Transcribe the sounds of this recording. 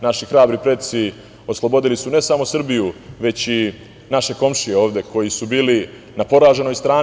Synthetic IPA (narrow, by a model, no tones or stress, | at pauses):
naʃixɾaːbɾipɾe̞t̪̚si | oslˠo̞bo̞d̪ilisune̞samosr̩bijuʋe̞t͡ɕi | naʃe̞ko̞mʃijeo̞ːʋd̪e̞ko̞jisubiːli | napo̞ɾaːʒe̞no̞jst̪ɾaːn